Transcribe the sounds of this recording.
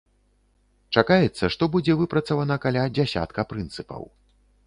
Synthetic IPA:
t͡ʂakajɛt̪sːɐʂt̪ɔbud͡zʲɛvɨpɾɐt̪sɐvanɐkalʲad͡zʲasʲa̰t̪kɐpɾɨnt̪sɨpɐ̰w

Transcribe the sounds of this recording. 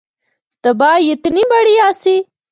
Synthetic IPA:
t̪ɐbɑːjet̪nibaɽiaːsi

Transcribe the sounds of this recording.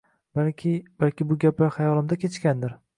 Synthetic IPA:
baɪb̥alkʲɪbʊɡʲaplahajɒlˠɪmd̪akʲʰet͡ʃkʲand̪ɪɾ

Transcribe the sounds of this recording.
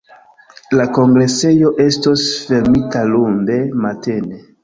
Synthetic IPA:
lako̞ŋɡɾe̞se̞jo̞ʔe̞stosfe̞ɾmitalunde̞mate̞ne

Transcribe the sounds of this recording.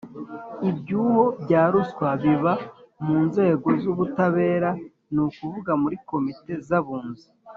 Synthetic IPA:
ibɟuːho̞bɟaːɾuskwaβiβamuːnze̞ːɡo̞zuβutaβe̞ːɾa | nukuvuɡamuɾiko̞mite̞zaβuːnzi

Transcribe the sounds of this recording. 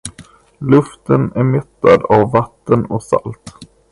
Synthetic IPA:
lɵft̪ənæɾmɛt̪ːad̪avːat̪ːənɔksa̰lt̪

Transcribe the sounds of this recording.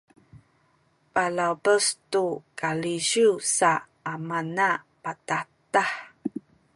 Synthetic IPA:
palawbəstukalizusa | amana | patatah

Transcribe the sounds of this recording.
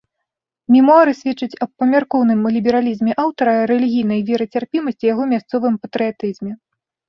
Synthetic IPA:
mʲimɔaɾɨsʲvʲɛt͡ʂːɨt͡sʲɐppːɐmʲarkɔwnɨmlʲibʲɛɾalʲizmʲɛʔawt̪ɐɾɐɾɛlʲiɣʲijn̪ɐjvʲɛɾɐt͡sʲarpʲimɐsʲt͡sʲijaɣɔmʲast̪sɔvɨmpɐt̪ɾɨjat̪ɨzʲmʲɛ

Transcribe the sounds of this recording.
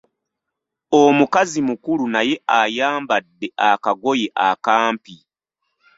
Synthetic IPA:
omukazimukulunaje̞ʔajaːmbadːe̞ʔakaɡo̞jeʔakaːmpi

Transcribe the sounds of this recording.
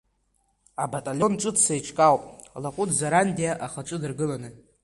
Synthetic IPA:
abatʼalʲonʈ͡ʂʼɨdsajʈ͡ʂʰʼkʼawpʼlakʷʼʊdʰzaɾandiaʔaχaʈ͡ʂʷʼɨdɨrɡɨlanɨ

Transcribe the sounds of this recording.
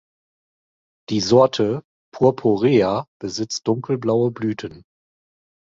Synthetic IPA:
d̥iːzɔɐtʰə | pʰuɐpʰoʁeːab̥əzɪt͡st̚d̥ʊŋkl̩blaʊəblyːtʰən

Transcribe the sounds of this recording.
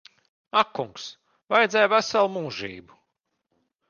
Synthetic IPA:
akːuŋks | vajd̪zʲɛjvæsalˠmuːʒḭːbu

